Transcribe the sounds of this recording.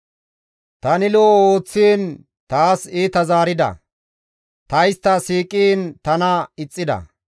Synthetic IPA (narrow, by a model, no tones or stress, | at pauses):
t̪ɐnɪlooːt͡sːiːn | t̪aːseːt̪ɐzaːɾɪd̪ɐ̰ | t̪ɐjst̪ːɐsiːkʼiːnt̪ɐnɐɪt͡sʼːɪd̪ɐ̰